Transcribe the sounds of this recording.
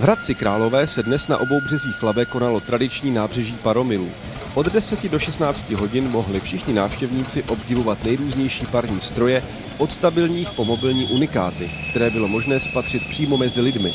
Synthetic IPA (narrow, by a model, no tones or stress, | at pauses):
vɾat̪̚t͡sɪkɾaːlo̞vɛːsɛdnɛsna̰ʔo̞bo̞wbr̝ɛziːxflabɛko̞nalo̞t̪ɾadɪt͡ʃɲiːnaːbr̝ɛʒiːpaɾo̞mɪlṵː | ʔo̞ddɛsɛcɪdoʃɛst̪naːt͡scɪɦo̞ɟɪnmo̞ɦlɪfʃɪxɲɪnaːfʃcɛvɲiːt͡sɪʔo̞bɟɪvo̞vat̪nɛjɾuːzɲɛjʃiːpaɾɲiːst̪ɾo̞jɛ | ʔo̞t̪st̪abɪlɲiːxpo̞mo̞bɪlɲiːʔunɪkaːt̪ɪk̚t̪ɛɾɛːbɪlo̞mo̞ʒnɛːspat̪r̝̥ɪt̪̚pr̥iːmo̞mɛzɪlɪdmɪ